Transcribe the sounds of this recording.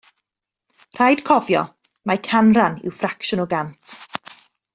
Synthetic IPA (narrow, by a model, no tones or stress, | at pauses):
r̥ajd̥kʰɔvjɔ̰ | makʰanranɪ̰wfrakʃʊnɔɡantʰ